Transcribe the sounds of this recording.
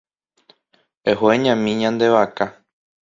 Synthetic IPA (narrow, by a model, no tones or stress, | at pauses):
eɦoeɲãmĩɲãnd̪e̞ʋaka